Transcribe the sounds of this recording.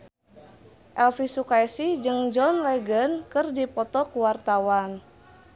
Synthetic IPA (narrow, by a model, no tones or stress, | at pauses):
ʔɛlfisukaɛsid͡ʒɨŋd͡ʒɔnlɛɡənkɨrdipɔt̪ɔkuwart̪awan